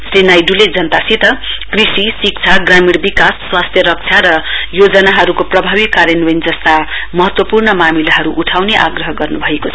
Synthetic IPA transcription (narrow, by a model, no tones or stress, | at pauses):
srinajɖuled͡zʌnt̪asʰit̪ʌkrisisik̚t͡sʰaɡramiɽbikasːwast̪ʰjʌɾʌk̚t͡sʰjaɾʌjod͡zʌnaɦʌɾukoprʌbʱabikːaɾjʌnwʌnd͡zʌst̪amʌɦʌt̪wʌpurnʌmamilaɦʌɾuʔuʈʰawneʔa̰ɡrʌɦʌɡʌrnubʱʌekot͡sʰ